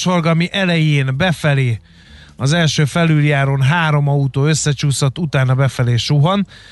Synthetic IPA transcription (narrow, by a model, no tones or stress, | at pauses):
ʃo̞rɡɒmiʔɛlɛjeːnbɛfɛleː | ɒzɛlʃøːfɛlyljaːɾoːnɦaːɾo̞mɒut̪oːø̞sːɛt͡ʃuːsot̪ːut̪aːnɒbɛfɛleːʃuɦon